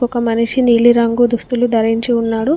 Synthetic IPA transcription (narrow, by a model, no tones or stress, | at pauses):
ɔkɐmɐniʃiniːliɾɐŋɡud̪ust̪ulud̪ʱɐɾiɲt͡ʃiunːaːɽu